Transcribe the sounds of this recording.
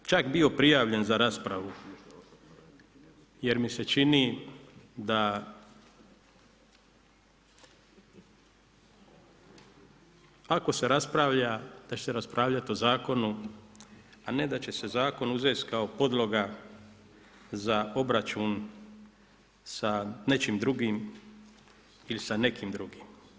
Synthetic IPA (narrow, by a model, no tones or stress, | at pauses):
t͡ʃakbio̞pɾijaːʋʎe̞nzaɾaspɾaʋu | je̞ɾmise̞t͡ʃini | d̪a | ako̞se̞ɾaspɾaʋʎad̪̥at͡ʃe̥seɾaspɾʔaːʋʎat̪io̞zaːko̞nu | ane̞d̪at͡ʃe̞se̞zaːko̞nuzest̪kaopo̞d̪lo̞ɡa | zao̞bɾat͡ʃun | sane̞t͡ʃimd̪ɾuɡim | ilisane̞kimd̪ɾuɡim